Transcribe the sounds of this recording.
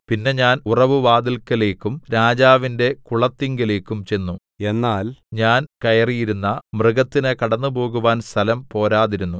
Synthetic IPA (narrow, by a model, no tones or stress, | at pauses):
pinːe̞ɲaːnurɐʋuʋaːd̪ilkɐle̞ːkːumɾaːd͡ʑaːʋinde̞kuɭɐt̪ːiŋɡɐle̞ːkːumt͡ɕe̞nːu | e̞nːaːlɲaːnkɐjɐrijiɾunːɐmrɨɣɐt̪ːinɨkɐɽɐnːubo̞ːɣuʋaːnst̪ʰɐlɐmpo̞ːɾaːðiɾunːu